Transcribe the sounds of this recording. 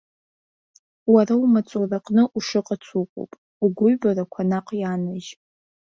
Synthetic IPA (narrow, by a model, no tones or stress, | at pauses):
waɾaumat͡sʷʼuraqʼnɨʔuʂɨqʼat͡sʷʰuqʷʼo̰pʼ | uɡʷʊɥbarakʷʰanaqʼjanaʒ